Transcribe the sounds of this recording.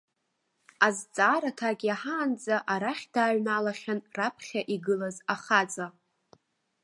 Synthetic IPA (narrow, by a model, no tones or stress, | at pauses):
azt͡sʼaːɾatʰaɡʲaħaːnd͡zʼaʔaɾaχʲd̥aːɥnalaχʲanrapʰχʲaʔiɡɨlazaχad͡zʼa